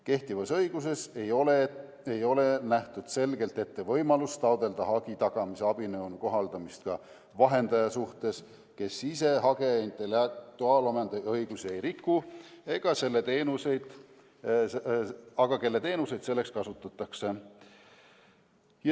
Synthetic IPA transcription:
ke̞ht̪ivɑsɤjɡ̥us̬e̞sejole | e̞jo̞le̞næht̪ud̪̥se̞lɡ̥e̞lt̪e̞t̪ːe̞vɤ̞jmɑlust̪ɑwd̪e̞ld̪̥ɑɦɑɡ̥it̪ɑɡ̥ɑmiseɑb̥inɤwnuko̞ɦɑld̪̥ɑmist̪̚kɑ | vɑɦe̞nd̪̥ɑjɑsuht̪e̞s | ke̞sise̞ɦɑɡ̥e̞int̪e̞let̪uɑːlomend̪ɑjɤjɡ̥usie̞jɾikːue̞ɡ̥ɑse̞lːe̞t̪e̞ːnuse̞jd̪̥ | ɑɡ̥ɑke̞lːe̞t̪e̞ːnuse̞jd̪se̞lːekskɑsut̪ːˑɑt̪ːˑɑkse̞ | j

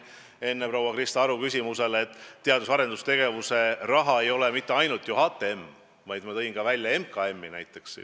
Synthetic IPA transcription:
e̞nːepɾowːɑkrist̪ɑɑɾukys̬ʲimuse̞let̪ˑːeɑd̪usɑɾe̞nd̪ust̪e̞ɡ̥e̞vuse̞rɑɦɑe̞jo̞le̞mit̪ːe̞ɑjnult̪ˑjuɦɑːt̪ːˑeemː | vɑjd̪mɑt̪ɤ̞jinkɑvælʲjɑe̞mkɑe̞mːinæjt̪ːˑe̞ks

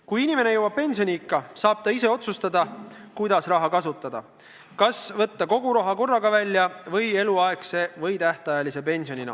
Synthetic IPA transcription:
kujinime̞ne̞jɤwɑb̚penʲsionʲiikːɑsɑːb̥̚t̪ɑise̞o̞t̪sust̪ɑd̪ɑkujd̪̥ɑsrɑɦɑkɑsut̪ːˑɑd̪̥ɑ | kɑsvɤ̞t̪ːɑko̞ɡ̥uɾoɦɑko̞rːɑɡɑvælʲːjɑvɤje̞luɑe̞kse̞vɤ̞jt̪æht̪eɑjɑlise̞p̬e̞nʲsio̞ninɑ̰

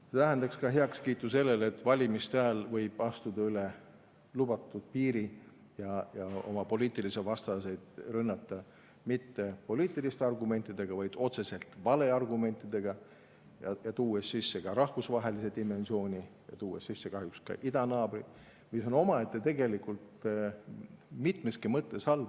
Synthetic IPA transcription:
set̪æɦænd̪ɑkskɑɦeɑkskiːt̪ˑːuse̞lːelet̪ːvɑlʲimist̪æːlvɤjb̥ɑst̪ud̪ɑyle | lubɑt̪ːˑud̪̥̚piːɾi | jɑjɑo̞̰mɑpo̞liːt̪ːˑilisevɑst̪ɑse̞d̪̥rɤnːɑt̪ːˑɑ | mit̪ːe̞po̞liːt̪ːˑilist̪eɑrɡume̞nt̪ːˑid̪̥e̞ɡ̥ɑvɑjd̪̥o̞t̪se̞se̞lt̪vɑle̞ɑrɡume̞nt̪ːˑid̪̥e̞ɡ̥ɑ | jɑjɑt̪uːessisːe̞kɑɾɑhvusvɑɦe̞lis̬e̞d̪̥ime̞nsio̞ːnʲijɑ̰t̪uːesisːekɑɦjukskɑ̰ʔid̪̥ɑnɑːbri | miso̞no̞mɑet̪ːet̪eɡe̞likult̪ | mit̪ˑmeskimɤt̪ːˑe̞sɑlb

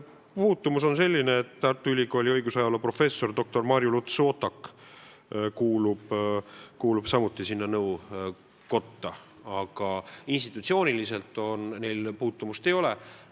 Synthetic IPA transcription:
puːt̪ːumuso̞nse̞lʲːine̞ːt̪t̪ɑrt̪ːˑuylʲiko̞ːlʲiɤjɡ̥usɑjɑlɑpro̞fe̞sːo̞rd̪o̞k̚t̪o̞rmɑɾjulut̪so̞ːt̪ɑkː | kuːlub̥ | kuːlub̥sɑmut̪ˑːisinːɑnɤuw | ko̞t̪ːɑ | ɑɡ̥ɑinst̪it̪ut̪sio̞ːnilise̞lt̪ːˑo̞nne̞jlpuːt̪ːumust̪e̞jo̞le̞

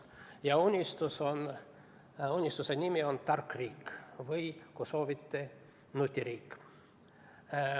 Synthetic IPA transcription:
jɑunʲːist̪uso̞n | unʲːist̪usenʲimio̞nt̪ɑrkriːkvɯjkuso̞ːvit̪ːe | nut̪ʲːiɾiːkː

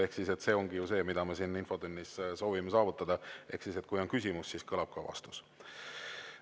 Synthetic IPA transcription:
e̞hksise̞t̪se̞ːo̞ŋɡ̥ijuse̞ːmid̪̥ɑme̞sinːinfo̞d̪ynːisso̞ːvimesɑːvut̪ːˑɑd̪̥ɑʔe̞hksiset̪̚kujo̞nkys̬ʲimusːiskɤlɑb̥̚kɑvɑ̰st̪u̥s

